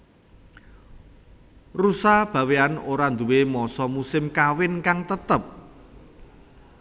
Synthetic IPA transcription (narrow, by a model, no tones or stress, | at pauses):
rusab̥ä̤weanoɾand̪uwemɔsɔmusɪmkawɪnkaŋt̪ət̪əp̚